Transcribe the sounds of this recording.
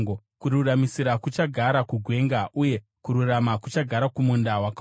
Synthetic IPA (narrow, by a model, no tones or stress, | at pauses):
ŋɡo | kuɾuramisiɾakut͡ʃaɡʱaɾakuɡʱwe̞ŋɡaʔuje̞ | kuɾuramakut͡ʃaɡʱaɾakumundawak